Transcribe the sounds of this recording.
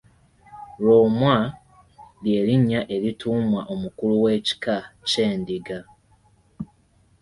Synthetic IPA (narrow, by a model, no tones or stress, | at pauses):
loːmwa | lje̞ːɾiɲːaʔe̞ɾituːmwaʔomukuluwe̞ːci̥kace̞ːndiɡa